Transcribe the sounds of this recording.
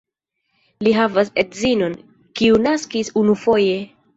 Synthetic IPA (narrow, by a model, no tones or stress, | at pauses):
liɦavasedzino̞n | kiunaskisunufo̞je̞